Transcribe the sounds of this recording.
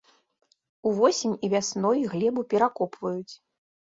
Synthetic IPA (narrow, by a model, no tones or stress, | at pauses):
uvɔsʲenʲivʲasnɔjɣlʲɛbupʲɛɾakɔpvɐjut͡sʲ